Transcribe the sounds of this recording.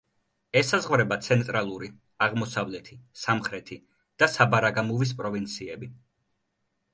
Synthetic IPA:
ɛsazʁvɾɛbat̪sʰɛnt̪ʼɾalˠuɾi | aʁmɔsavlɛt̪ʰisamχɾɛt̪ʰi | d̪̥asabaɾaɡamuvis̬pʼɾɔvint̪sʰiɛbi

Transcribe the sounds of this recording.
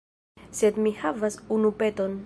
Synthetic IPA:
sed̪mihavasunupet̪o̞n

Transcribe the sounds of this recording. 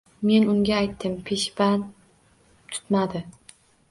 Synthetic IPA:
me̞nʊŋɡʲaːjt̪ːɪmpʰe̞ʃban | t̪ʰʊ̥t̪mad̪ɪ

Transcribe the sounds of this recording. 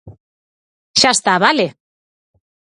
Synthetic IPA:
ʃast̪aβale

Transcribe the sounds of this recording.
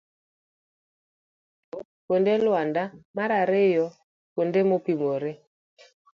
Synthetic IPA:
o | kondelwandamaɾaɾejɔ | kondemopimoɾe

